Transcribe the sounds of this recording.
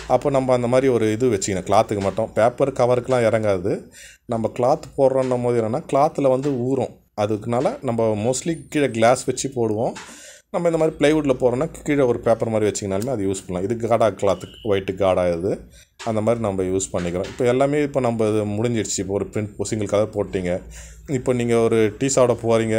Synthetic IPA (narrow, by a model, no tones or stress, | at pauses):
ɐpːoːnɐmbɐːɐnd̪ɐmaːd̪ɾiɔɾɯɪðɯʋɛt͡ʃːɯkɐnãːkɪɭaːt̪ɯkːɯmɐʈːʊ̃peːpːɐɾkɐʋɐɾɯkːɯlãːɪɾɐŋɡaːðɯ | nɐmbɐkɭaːt̪poːɾɾɐ̃ɳɐmoːðɪɛnːɐnːaːkɪɭaːt̪ːɯlɐʋɐnd̪ɯuːɾõː | ɐðɯkːɯnaːlɐnɐmbɐmoːslikiːɻɐɡɭaːsʋɛt͡ʃːɯpoːɽɯʋõː | nɐmːɐɪnd̪ɐmaːd̪ɾiplɐɪʋuːʈɪlɐpoːɾõnːaːkkːiːɽɐɔɾɯpeːpːɐɾmaːd̪ɾiɪʋɐt͡ʃːɯŋɡɐnaːlmeːɐðɯjuːspɐɳlãːɪðɯɡaːɽaːkɭaːt̪ʋɐɪʈːɯɡaːɽaːɪɾðɯ | ɐnd̪ɐmaːd̪ɾinɐmbɐjuːspɐɳːɪkːɪɾõːɪpːoːɛlːaːmeːɪpːoːnɐmbɐɪðɯmʊɽɪɲd͡ʒɪɽɯt͡ʃːɯɪpːoːɔɾɯpɪɾɪɳʈpoːsɪŋɡɐɭkːɐːɐpoːʈːiːŋɡɐ | ɪpːoːniːŋɡɐɔɾɯʈiːsaːʋɽɐpoːɾiːŋɡɐ